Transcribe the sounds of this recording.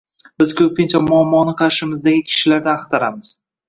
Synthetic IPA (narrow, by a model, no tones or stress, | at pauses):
bɪz̥kʲʰɵp̚kʲɪnt͡ʃʰamʊamːɒnɪqʰɑɾʃɪmɪzd̪aɡʲɪkʲʰɪ̥ʃɪlaɾd̪anqt̪ʰaɾamɪz̥